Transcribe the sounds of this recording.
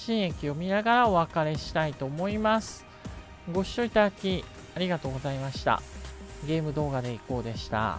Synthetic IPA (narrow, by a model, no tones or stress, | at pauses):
ɕĩɰ̃e̞kʲio̞mʲinaɡaɾao̞βakaɾe̞ɕi̥t̪ait̪o̞ːmo̞imasɨ̥ | ɡo̞ɕi̥o̞it̪ad̪akʲi | aɾʲiɡat̪o̞ːɡo̞zaimaɕi̥t̪a̰ɡe̞ːmɯ̟d̪o̞ːɡad̪e̞iko̞ːd̪e̞ɕi̥t̪a̰